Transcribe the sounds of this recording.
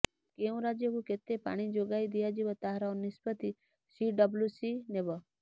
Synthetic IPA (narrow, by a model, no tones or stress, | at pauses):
keũɾad͡ʒjekuket̪epa̰ːɽ̃id͡ʒoɡaid̪ijad͡ʒiʋət̪aɦɾaonispət̪i | siɖəbljusinebə